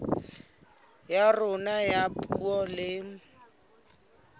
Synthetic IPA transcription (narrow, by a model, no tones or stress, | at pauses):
jarʊnajapʼuuɔlɪŋ̩